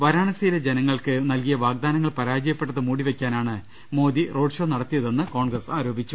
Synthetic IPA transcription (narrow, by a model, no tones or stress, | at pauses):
ʋɐɾaːɳɐsɐjiled͡ʑe̞nɐŋːɐɭkɨnɐlkijɐʋaːɡ̚d̪aːnɐŋːɐɭpɐɾaːd͡ʑɐjɐpːeʈːɐðɨmuːɽiʋe̞kʲːaːnaːɳɨ | mo̞ːd̪iroːɖʂo̞ːnɐɽɐt̪ːijɐðe̞nːɨko̞ːɳɡrɐsaːɾo̞ːbʱit͡ɕːu